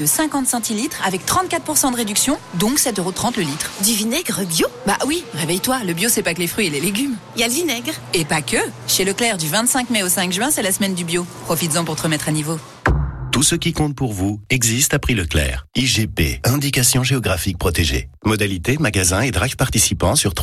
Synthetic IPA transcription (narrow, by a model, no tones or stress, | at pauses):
d̪əsɛ̃kɑ̃t̪sɑ̃t̪ilit̪χavɛk̚t̪χɑ̃t̪̚kat̪χpuʁsɑ̃d̪əʁed̪yksjɔ̃d̪ɔ̃ksɛt̪øʁot̪χɑ̃t̪ləlit̪χd̪yvinɛɡʁəbjobawiʁevɛjt̪waləbjosɛpaklefχɥieleleɡʲymialvinɛɡʁepakəʃeləklɛʁd̪yvɛ̃t̪sɛ̃kmɛosɛ̃kʒɥɛ̃sɛlasmɛnd̪ybjopχɔfit̪zɑ̃puʁt̪əʁəmɛt̪χanivo | t̪usəkʲikɔ̃t̪̚puʁvuɛɡzist̪apχiləklɛ̰ːʁiʒepḛɛ̃d̪ikasjɔ̃ʒeɔɡʁafik̚pχɔt̪eʒḛ | mɔd̪alit̪emaɡazɛ̃ed̪ʁakpaʁt̪isipɑ̃syʁt̪